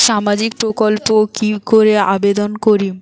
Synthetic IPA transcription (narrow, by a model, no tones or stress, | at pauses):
ʃamad͡ʑik̚pɾokolpokikoɾea̰bed̪onkoɾim